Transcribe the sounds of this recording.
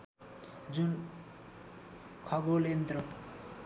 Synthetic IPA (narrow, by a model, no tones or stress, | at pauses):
d͡zun | kʰʌɡolent̪ɾʌ